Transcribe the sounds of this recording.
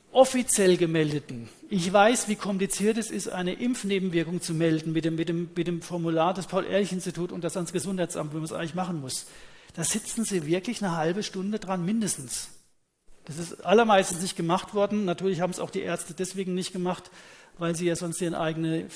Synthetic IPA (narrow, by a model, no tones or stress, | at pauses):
ʔɔfit͡sjɛlɡəmɛldətn̩ | ʔɪçv̥aɪsv̥iːkʰɔmplit͡siːɐtɛsɪstʔa̰ɪnəʔɪmfneːbm̩vɪɐkʊŋt͡sumɛldn̩mɪtd̥emɪt̚d̥eːmmɪtd̥eːmfɔɐmulaːɐdɛspʰaʊlʔḛːɐlɪçɪnstitʰuːtʊ̰ntd̥asansɡ̥əzʊnthaɪt͡sʔa̰mtvɛmansʔa̰ɪŋ̩liçmaχn̩mʊsd̥aːzɪt͡sn̩ziːvɪɐklɪçnəɦalbəʃtʊndədʁanmɪndəstn̩s | d̥asɪstʔalɐmaɪstn̩snɪçtɡ̥əmaχtv̥ɔɐdn̩natʰyːɐlɪç̬haːbm̩sa̰ʊxd̥iːʔɛɐstədɛsv̥eːɡŋ̩nɪçt̚ɡ̥əmaχtvaɪlziːjaːzɔnstʔiːʁənʔa̰ɪɡənə